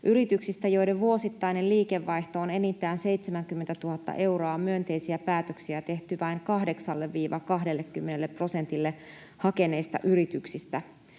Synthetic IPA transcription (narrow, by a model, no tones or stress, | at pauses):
ʔyɾit̪yksist̪æjo̞jde̞ʋʋuo̞sit̪ːɑjne̞lliːkeʋːɑjht̪oːne̞nit̪ːˑæːnse̞jt̪semæŋk̟ymːent̪æt̪uɦɑt̪ːɑ̰ʔe̞wɾoɑmyønt̪e̞jsiæpæːt̪øksiæt̪e̞ht̪yʋɑiŋkɑhde̞ksɑlːeʋːiːʋɑkɑɦdelːekːymːe̞nelːepːro̞se̞nt̪ilːe | hɑke̞ne̞ːst̪ɑ̰ʔyɾit̪yksist̪æ